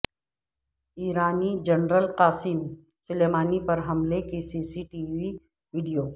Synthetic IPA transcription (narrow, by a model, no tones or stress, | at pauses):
iːɾaːnid͡ʒɐnɾəlqaːsim | sʊleːmaːnipɐɾɦɐmlekisiːsiʈiːʋi | ʋiːɖijoː